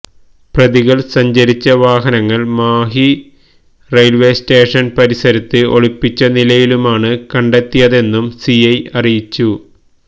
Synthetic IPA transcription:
prɐðiɣɐɭsɐɲd͡ʑɐɾit͡ɕːɐʋaːɦɐnɐŋːɐɭmaːɦi | rejlʋe̞ːste̞ːʂɐnpɐɾisɐɾit̪ːɨo̞̰ɻipːit͡ɕːɐnilɐjilumaːɳɨkɐɳɖet̪ːijɐðe̞nːumsiɐjɐrijit͡ɕːu

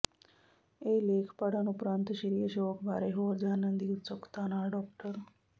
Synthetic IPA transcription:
elekʰpaɽanupɾant̪ɕiɾijəɕeʋəkbʱa̰ɾeɦod͡ʑanənd̪iut͡səkt̪anaɖɔk̚ʈəɾ

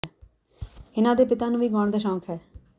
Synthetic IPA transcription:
ɪnãːd̪eːpɪt̪aːnũːʋiːɡɔːɳd̪aːʃɔ̃ːkʰɦɛː

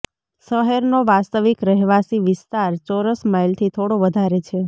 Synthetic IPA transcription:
səɦeɾnoʋast̪əʋikɾəɦʋasiʋɪst̪aɾt͡ʃoɾəsmailt̪ʰit̪ʰoɽoʋəd̪ʱaɾet͡ʃʰe

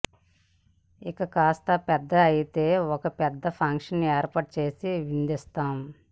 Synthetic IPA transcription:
ikɐkaːst̪ɐpɛd̪ːɐɐjit̪eːɔkɐpɛd̪ːɐpʰɐŋkʂɐnːieːɾpɐːʈ̚t͡ʃe̞ːsiʋind̪ist̪aːm

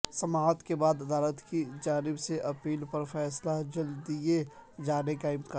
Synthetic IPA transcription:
sɐmaːt̪kebaːd̪ɐd̪aːlət̪kid͡ʒaːnɪbseʔɐpiːlpɐɾfɛːslad͡ʒɐld̪ied͡ʒaːnekaɪmka

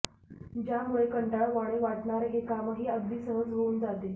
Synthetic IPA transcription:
d͡ʑjamuɭekəɳʈaɭʋaɽ̃eʋaʈɳaɾeɦekamɦiːəɡ̪d̪iːsəɦəd͡zɦouːnd͡zat̪e

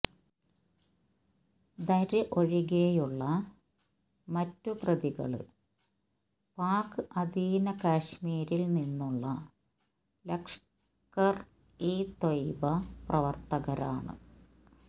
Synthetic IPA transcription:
d̪ɐɾɨʔoɻiɣejuɭːɐ | mɐtːuprɐðiɣɐ̰ɭɨ̰ | paːkɨʔɐd̪iːnɐkaːɕmiːɾilninːuɭːɐ | lɐkʂ | kɐr | iːt̪ojbɐprɐʋɐrt̪ɐɣɐɾa̰ːɳɨ̰

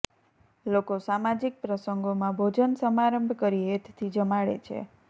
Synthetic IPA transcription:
lokosamad͡ʒik̚pɾəsəŋɡomãbʱod͡ʒənsəmaɾəmbʱkəɾiet̪ʰt̪ʰid͡ʒəmaɭḛt͡ʃʰḛ

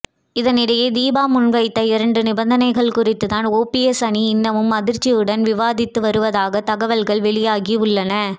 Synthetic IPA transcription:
ɪðɐnɪɽɐjeːd̪iːbaːmʊnʋɐɪt̪ːɐɪɾɐɳɖɯnɪbɐnd̪ɐnɐɪɣɐɭkʊrɪt̪ːɯðaːnoːpiɛsɐniɪnːɐʋɯmːɐðɪɾt͡ʃːijɯɽɐnʋɪʋaːðɪt̪ːɯʋɐɾɯʋɐðaːɣɐt̪ɐɣɐʋɐlɣɐɭʋɛɭɪjaːɣiʊɭːɐnɐ

